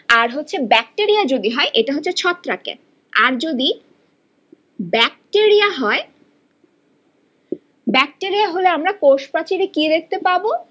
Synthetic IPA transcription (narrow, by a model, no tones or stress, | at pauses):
aɾɦotːɕʰebɛk̚ʈeɾijad͡ʑod̪iɦɔeʔeʈaɦotːɕʰet͡ɕʰɔt̪ːɾakḛ | a̰ɾd͡ʑod̪i | bɛk̚ʈeɾijaɦɔe | bɛk̚ʈeɾijaɦoleamɾakoʃpat͡ɕiɾekid̪ek̚t̪epabo